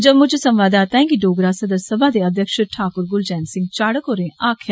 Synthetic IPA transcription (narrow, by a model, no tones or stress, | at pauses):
d͡ʒəbmʊd͡ʒsəmʋaːd̪aːt̪ãɦɛ̃ːkiɖoːɡɾaːsəd̪əɾsəbaːd̪eːəd̪ʱjəkʃəʈʰaːkʊɾɡʊld͡ʒɛːnsɪ̃ŋɡ̚t͡ʃaːɽəkɦoːɾẽːʔaːkʰja